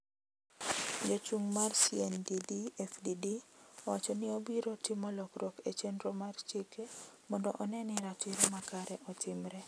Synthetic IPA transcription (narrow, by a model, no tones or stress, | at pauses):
jot͡ʃuŋmarsiɛndidiɛfdidiɔwat͡ʃɔnɪobiɾotɪmɔlɔkɾoket͡ʃendɾomart͡ʃikemɔndɔ̰ʔɔnɛnɪɾatɪɾmakaɾɛʔɔtʰɪmɾɛ